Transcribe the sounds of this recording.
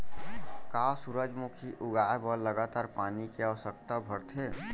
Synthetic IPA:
kasuɾəd͡ʒmukʰiʔuɡaebəɾləɡat̪aɾpanikeəʋəsək̚t̪abʱəɾt̪ʰe

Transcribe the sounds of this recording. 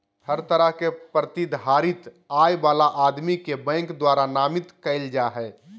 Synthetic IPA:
həɾt̪əɾəɦkepɾət̪id̪ɦaːɾɪt̪ | aːjbaːlaʔaːd̪mikebɛ̃ːŋkd̪waːɾanaːmɪt̪kəɪld͡ʒaːɦɛː

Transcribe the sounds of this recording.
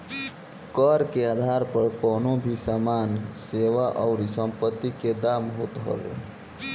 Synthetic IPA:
kəɾkead̪ʱaɾpəɾkɔnobʱisamanseʋaʔəʊɾisə̃mpət̪ːiked̪amɦot̪ɦə̰ʋḛ

